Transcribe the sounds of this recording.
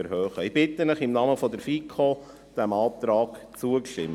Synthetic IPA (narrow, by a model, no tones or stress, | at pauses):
ɛɾhœːχəib̥ɪt̪ənəχɪmnɑməfɔd̪əɾfikʰo | d̪̥æmɑːt̪ɾɑːkt͡suəkʃtɪ̰m